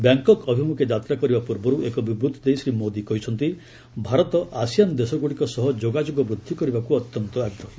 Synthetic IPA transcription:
bjaŋkɔkɔbʱimukʰed͡ʒat̪ɾakɔɾibapuɾbɔɾuekɔbibɾut̪ʰɔd̪ejsɾimod̪ikɔɦit͡ʃʰɔnt̪i | bʱaɾɔt̪ɔʔasijanɔd̪esɔɡuɽikɔsɔɦɔd͡ʒoɡad͡ʒoɡɔbɾud̪ʱːikɔɾibakuɔt̪jɔnt̪ɔaɡɾɔɦɔ

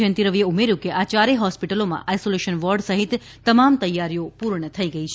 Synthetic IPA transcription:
ə̃nt̪iɾəʋijeumeɾjũkeʔat͡ʃaɾeɦɔspiʈəlomã̰ʔajsoleʃənʋɔɾɖsəɦit̪ː | əmamt̪əjːaɾijopuɾɳət̪ʰəiɡəit͡ʃʰe

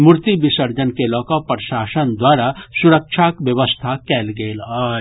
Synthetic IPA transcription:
muɾt̪ibɪsəɾd͡ʒənkelɔːkapɾʃaːsənd̪waːɾasuɾək̚ʃʰakbjəʋəst̪ʰakɛːlɡeːlaː

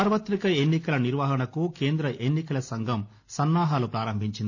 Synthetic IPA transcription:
aːɾʋɐt̪ɾikɐenːikɐlɐniɾʋaːɦɐɳɐkukeːnd̪ɾɐʔenːikɐlɐsɐŋɡʱɐm | sɐnːaːɦaːlupɾaːɾɐmbʱiɲt͡ʃind̪i

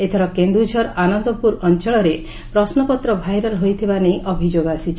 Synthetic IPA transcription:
et̪ʰɔɾɔkend̪ud͡ʒʱɔɾanɔnd̪ɔpuɾɔnt͡ʃɔɭ̃ɔɾe | pɾɔsnɔpɔt̪ɾɔbʱajɾɔlɦojt̪ʰibanejʔɔbʱid͡ʒoɡasit͡ʃʰ

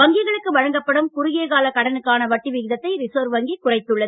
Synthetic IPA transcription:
ʋɐŋɡɪɣɐɭɯkːɯʋɐɻɐŋɡɐpːɐɽɯmkʊɾʊɣeːɣaːlɐkɐɽɐnɯkːaːnɐʋɐʈːiʋɪɣɪðɐt̪ːɐɪɾɪsoːɾʋɐŋɡikʊrɐɪt̪ːɯɭːɐðɯ

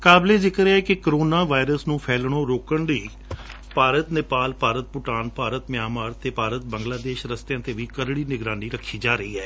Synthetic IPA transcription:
kaːbleːzɪkɾeɛːkɪkəɾoːnaːʋaːɪɾəsnũːpʰɛːlɽ̃oːɾoːkəɳliː | paːɾət̪nɪpaːlpaːɾət̪̚pʊʈaːnpaːɾət̪mɪjaːmaːɾt̪eːpaːɾət̪bəŋɡlaːd̪eːʃɾəst̪jãːt̪eːʋiːkəɾɽiːnɪɡɾaːniːɾəkʰːiːd͡ʒaːɾəiːɦɛː

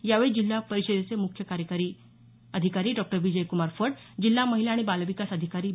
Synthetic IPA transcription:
jaʋeɭid͡ʑilːapəɾised̪et͡semukʰjəkaɾjəkaɾiː | əd̪ʱikaɾiːɖɔk̚ʈəɾʋid͡ʑəjkumaɾfəʈ | d͡ʑilːaməɦileaɽ̃ibalʋikasəd̪ʱikaɾiː

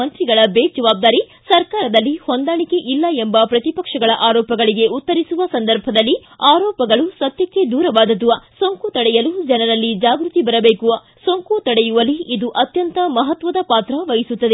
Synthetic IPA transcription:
ɐnt̪ɾiɡɐɭɐbeːd͡ʒɐʋaːb̚d̪aːɾi | sɐɾkaːɾɐd̪ɐlːihond̪aːɭike̞ʔilːɐembɐpɾɐt̪ipɐkʂɐɡɐɭɐʔaːɾɔːpɐɡɐɭiɡe̞ut̪ːɐɾisuʋɐsɐnd̪ɐɾbʱɐd̪ɐlːiaːɾɔːpɐɡɐɭusɐt̪jɐkːe̞d̪uːɾɐʋaːd̪ɐd̪uʋɐsoŋkut̪ɐɽɛjɐlud͡ʒɐnɐɾɐlːid͡ʒaːɡɾut̪ibɐɾɐbeːkuʋɐ | soŋkut̪ɐɽɛjuʋɐliid̪uʔɐt̪jɐnt̪ɐmɐɦɐt̪ʋɐd̪ɐpaːt̪ɾɐʋɐjisut̪ːɐd̪e

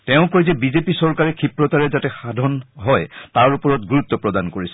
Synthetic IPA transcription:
tɛʊ̃kɔjzɛbizepisɔɹkaɹɛkʰipɹɔt̪aɹɛzatɛxadʱɔnɦɔjtaɹupɔɹɔtɡuɹut̪ːɔpɹɔd̪ankoɹisɛ̥

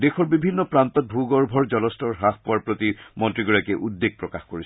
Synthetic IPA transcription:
dexɔɹbibʱinːɔpɹant̪ɔt̚bʱuɡɔɹbʱɔɹd͡ʑɔlɔstɔɹɦaxpʊwaɹpɹot̪imɔntɹiɡɔɹakɛʔudːeɡ̚pɹɔkaxkoɹis

